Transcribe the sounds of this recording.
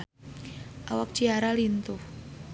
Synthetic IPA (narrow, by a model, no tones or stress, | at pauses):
ʔawak̚t͡ʃiaɾalint̪ʊh